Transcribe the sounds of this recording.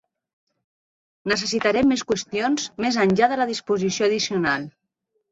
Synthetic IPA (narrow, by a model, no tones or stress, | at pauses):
nəs̬əs̬it̪aɾɛmːeskwəst̪jonzmezənʲʎaðələðispuzisjoəðisiunalˠ